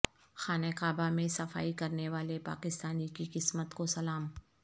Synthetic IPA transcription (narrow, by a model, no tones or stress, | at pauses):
xaːnɛkaːbamẽsɐfa̰ːikɐɾneʋaːlepa̰ːkɪst̪aːnikiqɪsmət̪kosɐlaːm